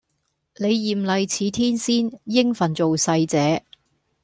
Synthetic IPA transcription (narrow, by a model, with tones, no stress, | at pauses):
le˨˧jːiː˨mlɐ˨jt͡sʰiː˨˧t̪ʰiː˥nsiː˥njɪ˥ŋfɐ˨˩nt͡so˨wsɐ˧jt͡sɛː˨˦